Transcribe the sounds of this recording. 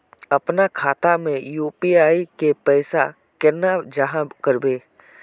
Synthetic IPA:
ɐpnakʰaːt̪amẽjuːpiaːikepɛːsa | kɛnːad͡ʒəɦãbkəɾbeː

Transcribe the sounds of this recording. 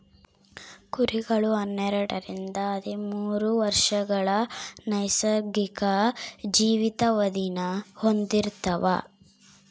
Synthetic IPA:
kuɾiɡɐɭuɐnːɛɾɐɽɐɾind̪ɐːd̪imuːɾuʋɐɾʂɐɡɐɭɐnɐjsɐɡikɐd͡ʒiːʋit̪ɐʋɐd̪inɐhond̪iɾt̪ɐʋɐ̰

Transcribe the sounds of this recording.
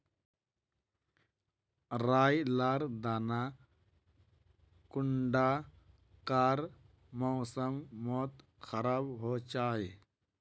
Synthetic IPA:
ɾaːjlaːɾd̪aːna | kʊɳɖa | kaːɾ | mɔːsəmːɔːt̪ | xʰəɾaːbɦoːt͡ʃaːɦe

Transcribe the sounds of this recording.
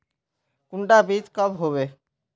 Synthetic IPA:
kuɳʈabit͡ɕkɔbɦobe

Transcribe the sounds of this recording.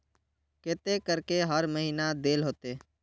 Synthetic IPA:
keːt̪ekəɾkeɦəɾməɦiːnad̪eːlɦoːt̪eː

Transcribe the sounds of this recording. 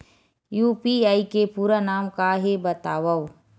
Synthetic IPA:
juːpiaːikepuːɾanaːmkaɦebɐt̪aːʋɐw

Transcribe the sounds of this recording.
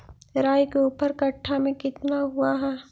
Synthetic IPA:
ɾaːjkeuːpəɾkɐʈʰːamẽkɪt̪naɦuaɦɛː

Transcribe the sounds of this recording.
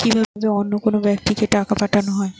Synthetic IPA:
kibʱabed̪eonːokonobɛk̚ʈikeʈakapaʈʰanoɦɔe

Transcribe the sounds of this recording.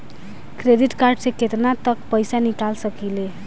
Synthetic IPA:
kɾeɖiʈkaɾɖseket̪nat̪əkpəjsanikalsəkile

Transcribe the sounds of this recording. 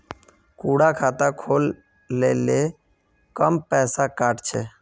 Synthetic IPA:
kuːɽakʰaːt̪akʰoːlː | eːle | kəmpɛːsakaːʈt͡ʃʰɛː

